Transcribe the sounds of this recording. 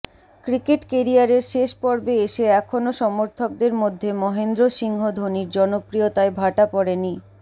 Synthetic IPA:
kɾikeʈkeɾiaɾeɾʃeʃpɔɾbeeʃeɛkʰonoʃɔmoɾt̪ʰok̚d̪eɾmod̪ʱːemɔɦend̪ɾoʃiŋɦod̪ʱoniɾd͡ʑɔnopɾiot̪aebʱaʈapɔɾeni

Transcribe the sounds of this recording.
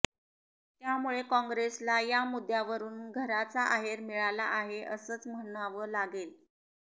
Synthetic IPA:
t̪jamuɭekɔ̃ŋɡɾeslajamud̪ʱjaʋəɾuːnɡʱəɾat͡saʔaɦeɾmiɭalaʔaɦeʔəsəːt͡sm̤əɳ̃aʋəːlaɡel

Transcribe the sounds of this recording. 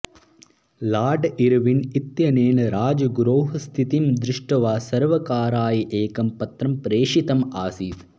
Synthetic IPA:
laːɾɖiɾʋinit̪jɐneːnɐɾaːd͡ʒɐɡɾoːɦɐst̪ʰit̪imd̪ɾɪʂʈɐʋaːsɐɾʋɐkaːɾaːjiʔeːkɐmpɐt̪ɾɐmpɾeːʂit̪ɐmaːsiːt̪

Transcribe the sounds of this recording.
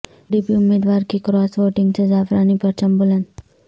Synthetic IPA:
ɖiːpiʊmːeːd̪ʋaːɾkikɾɔːsʋoːʈɪ̃ŋɡt͡ʃɐzaːfɾaːnipɐɾt͡ʃɐmbʊlən

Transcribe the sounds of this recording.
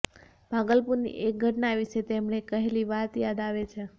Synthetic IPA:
b̥ʱaɡəlpuɾnḭʔek̚ɡʱəʈnaʋiʃet̪emɳ̃ekəɦeliʋat̪jad̪aʋet͡ʃʰe

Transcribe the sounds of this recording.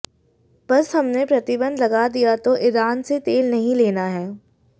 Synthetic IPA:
b̥ɐsɦɐmnepɾɐt̪ɪbə̃nd̪lɐɡad̪ijat̪oʔɪɾaːnset̪eːlnɐɦĩleːnaɦɛː

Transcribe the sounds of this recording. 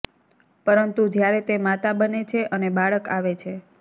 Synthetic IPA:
pəɾənt̪ud͡ʒjaɾet̪emat̪abənet͡ʃʰeʔənebaɭəkaʋet͡ʃʰe

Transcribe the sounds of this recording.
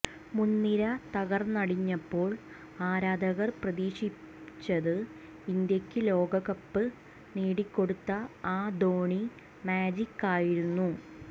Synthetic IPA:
munːiɾɐt̪ɐɣɐrnɐɽiɲːɐpːo̞ːɭ | aːɾaːd̪ɐɣɐrprɐðiːɕi | t͡ɕːɐðɨ | ind̪jɐkʲːɨlo̞ːɡɐɣɐpːɨ | niːɽikʲːo̞ɽut̪ːɐaːd̪o̞ːɳi | maːd͡ʑikːaːjiɾunːu

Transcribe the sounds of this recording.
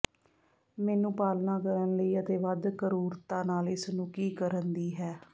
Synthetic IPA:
mɛːnũːpaːlnaːkəɾənləiːət̪eːʋəd̪kəɾuːɾt̪aːnaːlɪsnũːkiːkəɾənd̪iːɦɛː

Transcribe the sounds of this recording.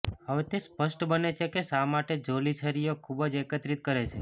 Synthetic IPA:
həʋet̪espəʃʈbənet͡ʃʰekesamaʈed͡ʒolit͡ʃʰəɾijokʰubəd͡ʒekət̪ɾit̪̚kəɾet͡ʃʰḛ

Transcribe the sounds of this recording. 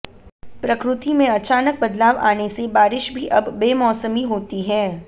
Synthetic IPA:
pɾɐkɾʊt̪imẽɐt͡ʃaːnək̚bɐd̪laːʋa̰ːnesebaːɾɪʃbʱiʔɐbːeːmɔːsəmiɦoːt̪iɦɛː

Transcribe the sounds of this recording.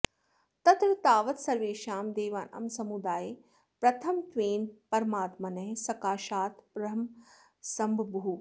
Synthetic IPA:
t̪ɐt̪ɾɐt̪aːʋɐt̪sɐɾʋeːʃaːmd̪eːʋaːnɐ̰msɐmud̪aːjeː | pɾɐt̪ʰɐmt̪ʋeːnpɐɾɐmaːt̪mɐnɐɦsɐkaːʃaːt̪pɾɐɦɐm | sɐmbʱbuɦu

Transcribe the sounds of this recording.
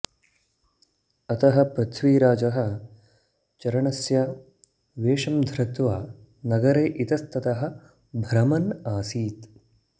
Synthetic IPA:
ɐt̪ɐɦɐ̆pɾɐt̪ʰʋiːɾaːd͡ʒɐɦɐ̆ | t͡ʃɐɾɐɳɐsjɐ | ʋeːʂɐmd̪ʱɾɐt̪ʋaː | nɐɡɐɾeːʔit̪ɐst̪ɐt̪ɐɦɐ̆ | bʱɐɾɐmɐnaːsiːt̪

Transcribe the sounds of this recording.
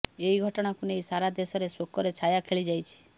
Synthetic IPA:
eiɡʱɔʈɔɽ̃akunejsaɾad̪esɔɾesokɔɾet͡ʃʰajakʰeɭid͡ʒajt͡ʃʰi̥

